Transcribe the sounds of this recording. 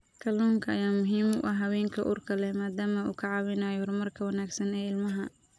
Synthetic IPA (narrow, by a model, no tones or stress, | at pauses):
kʰɐluːŋkʰɐɐjaːmʊɦiːmʊ̰ʔɐɦɐwɛːŋkʰɐ̰ʔṵːrkʰɐlɛmaːd̪aːmɐṵːkʰɐʕɑːwɪnɐjɔrmɐrkʰɐwɐnaːɡsɐnɛːɪlmɐɦɐ